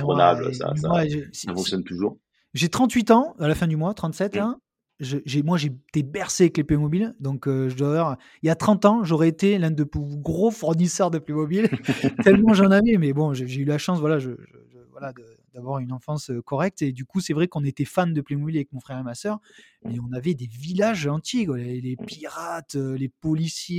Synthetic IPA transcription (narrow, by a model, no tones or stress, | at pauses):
na̰ba̰ɛmwaʒesafɔ̃ŋksjɔnt̪uʒuʁ | ʒet̪χɑ̃t̪ɥit̪ɑ̃alafɛ̃d̪ymwat̪χɑ̃t̪sɛt̪ɛ̃ | ʒəʒemwaʒet̪ebɛʁseavɛkleplemɔbild̪ɔ̃køʒəd̪wavaʁ | iljat̪χɑ̃t̪ɑ̃ʒoʁɛet̪elɛ̃d̪əplyɡʁofuʁnisœʁd̪əplemɔbilt̪ɛlmɑ̃ʒɑ̃navɛmɛbɔ̃ʒəʒeylaʃɑ̃svwalaʒəʒə̰ʒəvwa̰lad̪ə | d̪avwaʁynɑ̃fɑ̃søkɔʁɛk̚t̪ed̪ykusɛvʁɛkɔ̃net̪ɛfand̪əplemɔbilavɛkmɔ̃fχɛʁemasœʁ | mɛɔ̃navɛd̪evilaʒɑ̃t̪jeklelepiʁat̪ølepɔlisje